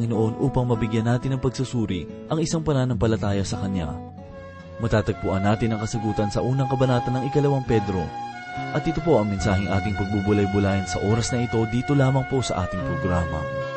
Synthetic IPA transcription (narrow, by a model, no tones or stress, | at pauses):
ŋɪnoʔo̞nʔuːpɐŋmɐbɪɡjanːaːt̪ɪnɐŋpɐɡ̚susuːɾiʔɐŋʔɪsaŋpɐnaːnɐŋpɐlɐt̪aːjɐsɐkɐnja̰ | mɐt̪aːt̪ɐɡ̚pʊʔɐnːaːt̪ɪnːɐŋkɐsɐɡuːt̪ɐnsɐʔuːnɐŋkɐbɐnaːt̪ɐnːɐŋɪkɐlɐwaŋpɛd̪ɾo̞ | ʔɐt̪ɪt̪opo̞ʔɐŋmɛnsaːɦɪŋʔa̰ːt̪ɪŋpɐɡ̚bubʊlajbʊlaːjɪnsɐʔo̞ːɾɐsnɐɪt̪o̞d̪iːt̪o̞laːmɐŋpo̞sɐʔaːt̪ɪŋpɾoɡɾaːmɐ̰